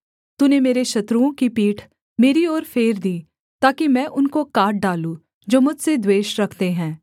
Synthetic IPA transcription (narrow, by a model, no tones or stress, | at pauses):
t̪ʊnemeːɾeʃɐt̪ɾuõkipiːʈʰ | meːɾiɔːɾfʰeːɾd̪iː | t̪aːkimɛ̃ːʔʊnkokaːʈ̚ɖaːlũ | d͡ʒoːmʊd͡ʒʱsed̪weːʃɾɐkʰt̪eɦɛ̃ː